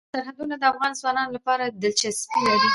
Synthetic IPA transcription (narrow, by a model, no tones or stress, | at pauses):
saɾhad̪unad̪əafɣɑnzwɑnɑnolapɑɾad̪əlt͡ʃaspijɑd̪u